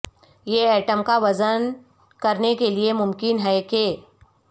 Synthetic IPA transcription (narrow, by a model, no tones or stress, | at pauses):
jeɛːʈəmkaʋɐzən | kɐɾnekeliemʊmkɪnɦɛkeː